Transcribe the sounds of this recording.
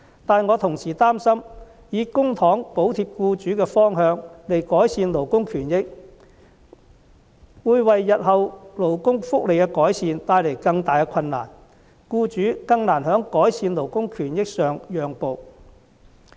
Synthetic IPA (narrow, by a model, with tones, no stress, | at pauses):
t̪aː˨nŋɔː˨˧t̪ʰʊ˨˩ŋsiː˨˩t̪aː˥msɐ˥m | jiː˨˧kʊ˥ŋt̪ʰɔː˨˥ŋpo˨˥wt̪ʰiː˧p̚kuː˧t͡ʃyː˨˥kɛː˧fɔː˥ŋɦœː˧ŋle˨˩jkɔː˨˥jsiː˧nlo˨˩wkʊ˥ŋkʰyː˨˩njɪ˥k̚ | wuː˨˧jwɐ˨jːɐ˨t̚hɐ˨wlo˨˩wkʊ˥ŋfʊ˥k̚le˨jkɛː˧kɔː˨˥jsiː˨˧nt̪aː˧jle˨˩jkɐ˧ŋt̪aː˨jkɛ˧kʰɐ˧nːa̰ː˨˩n | kuː˧t͡ʃyː˨˥kɐ˧ŋnaː˨˩nhœː˨˥ŋkɔː˨˥jsiː˧nlo˨˩wkʊ˥ŋkʰyː˨˩njɪ˥k̚sœː˨ŋjœː˨ŋpo˨˧w